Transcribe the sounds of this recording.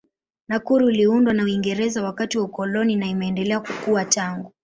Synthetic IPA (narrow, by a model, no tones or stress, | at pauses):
nakuɾuːliundwanauiŋɡɛɾɛzawakatiwaukɔlɔninaimɛɛndɛlɛakukuataŋɡu